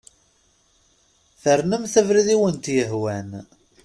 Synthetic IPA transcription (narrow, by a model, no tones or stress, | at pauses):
θəɾnəmθævɾiðiwənt̪jəɦwæn